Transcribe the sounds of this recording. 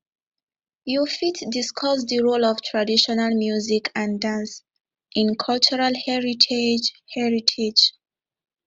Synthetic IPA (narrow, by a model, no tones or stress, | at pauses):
jufitdiskʰɔsdəɹolɔv̥tʰɹadiʃɔnalmjuzikʰãndãns | ʔĩnkʰɔlt͡ʃuɹalhɛɹitʰed͡ʒhɛɹitʰed͡ʒ